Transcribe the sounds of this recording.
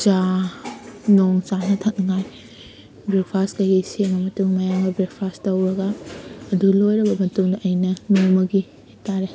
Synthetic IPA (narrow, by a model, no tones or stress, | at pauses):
t͡ʃa | noŋt͡ʃanɐtʰɐt̚ŋaj | bɾek̚pʰaskɐjɡiseŋbɐmɐtuŋmɐjaŋɡɐbɾek̚pʰastɐwɾɐɡɐːdulojɾɐbɐmɐtuŋdɐʔɐjnɐnoŋmɐɡi | hetʰaɾe